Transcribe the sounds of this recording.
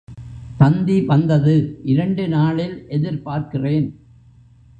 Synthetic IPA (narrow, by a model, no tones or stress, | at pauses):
t̪ɐnd̪iʋɐnd̪ɐðɯʔɪɾɐɳɖɯnaːɭɪlʔɛðɪɾpaːɾkɪreːn